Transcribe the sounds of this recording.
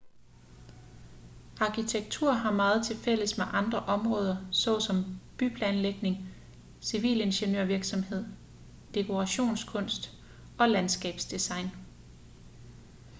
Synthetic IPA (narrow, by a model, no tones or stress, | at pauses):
ɑ̈kʰit͡sʰeɡ̥̚t͡sʰuɐ̰ɦɑ̈mɑ̈ːð̞̩ˠt͡sʰe̝fel̰əsmeʔɑ̈nd̥ʁɐʔɒ̽mʁɔ̽ːð̞ˠɐsɒ̰̽ːsɒ̽mb̥ypʰlɛːnleɡ̥ne̝ŋ | siʋḭːle̝nɕenø̰ɐ̰ʋiɐɡ̥sɒ̽mhe̝ð̞̰ˠ | d̥e̝kʰo̝ʁɑ̈ɕo̝̰ːnskʰɔ̽n̰sd̥ | ɒ̽lænsɡ̥ɛ̰ːb̥sd̥isɑ̈ɪ̰n